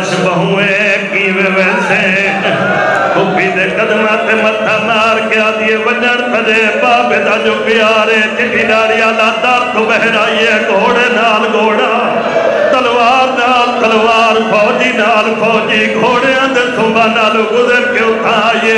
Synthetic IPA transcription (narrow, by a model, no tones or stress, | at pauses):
t͡ʃʰbəɦũːeːkiːʋeːʋɛːseː | kʊbiːd̪eːkəd̪maːt̪emət̪ʰãːmaːɾkeaːd̪ieːʋəd͡ʒənp̪ədeːpaːbed̪aːd͡ʒoːpɪjaːɾeːt͡ʃɪʈːiːnaːɽɪjaːlaːd̪aːɾt̪ʰʊbəɦeɾaːijeːɡʱoːɽeːnaːlɡʱoːɽaː | t̪əlʋaːɾnaːlt̪əlʋaːɾpʰɔːd͡ʒiːnaːlkʰɔːd͡ʒiːɡʱoːɽeːãd̪et̪ʰʊ̃ːbaːnaːluːɡʊzəɾkeʊt̪ʰːãːaːieː